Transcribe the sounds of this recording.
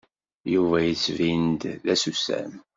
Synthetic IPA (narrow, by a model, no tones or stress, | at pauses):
juvæjit͡sːvind̪ðæsusæ̰m